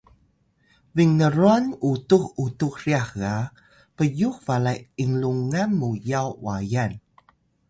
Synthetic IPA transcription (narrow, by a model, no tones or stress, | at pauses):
viŋnəɾuanutuxutuxriaxa | pəjuxvalajiŋluŋanːujawwajan